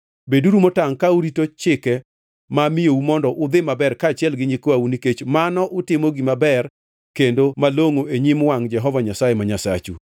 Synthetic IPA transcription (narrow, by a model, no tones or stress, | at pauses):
beduɾumotaŋkauɾitot͡ʃɪkɛ | mamɪjoumɔndɔʔʊd̪ɪmabɛrkaːt͡ʃɪɛlɡɪɲikoauniket͡ʃmanɔʔʊtɪmoɡimabɛr | kendomaloŋoeɲimwaŋd͡ʒɛɦɔvaɲasajemaɲasa̰t͡ʃṵ